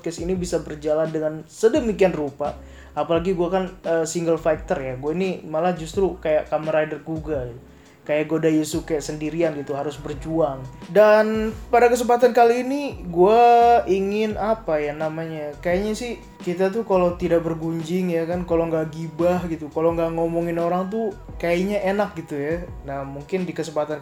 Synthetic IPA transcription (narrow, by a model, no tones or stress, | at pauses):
kɛsinibisabərd͡ʒalandəŋansədəmikianrupaː | palaɡiɡuakanəsiŋɡəlfat̪ərjaɡuainimalad͡ʒust̪ɾukajaʔkaməɾajdərɡuɡaɡi | kajaʔɡodajusukajaʔsəndiɾianɡit̪uɦaɾʊsbərd͡ʒuaŋdanpadakəs̬əmpat̪̬ankaliːniɡuaiŋɪnapajanamaɲakajaɲasɪh | kit̪at̪̬ukalawt̪idak̚bərɡuɲd͡ʒɪŋjakankaloŋɡaʔɡibahɡit̪ukaloŋɡaʔŋomɔŋɪnoɾaŋt̪̬ukajaʔiɲaʔenak̚ɡit̪ujanamuŋkɪndikəsəmpat̪an